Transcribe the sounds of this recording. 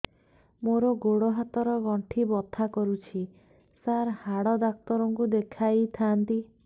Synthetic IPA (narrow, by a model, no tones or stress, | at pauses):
moɾɔɡoɽɔɦat̪ɔɾɔɡɔɳʈʰibɔt̪ʰakɔɾut͡ʃʰi | saɾhaɽɔd̪ak̚t̪ɔɾɔŋkud̪ekʰajt̪ʰaːnt̪i